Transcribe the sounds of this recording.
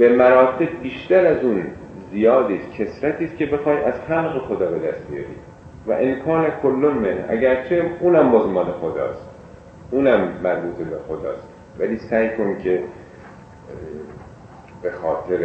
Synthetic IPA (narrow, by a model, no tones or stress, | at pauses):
b̥emæɾɒːt̪ʰe̞b̚biːʃt̪æɾæzuːn | zijɒːd̪iːscʰe̞sɾæt̪ʰiːscʰʲe̞be̞xɒːjʔæz̥hælɣexod̪ɒːbe̞d̪æst̪̚bijɒ̰ːɾḭː | væ̰ʔenkʰɒːnækʰolːonmenhʔæ̰ɟæɾt͡ʃʰe̞uːnæmbɒːzmɒːnexod̪ɒ̰ːst̪ | ʔuːnæmːæɾbuːt̪ʰebexod̪ɒ̰ːst̪ | væliːsæːjkʰo̞ncʰe | be̞xɒːt̪ʰe̞ɾ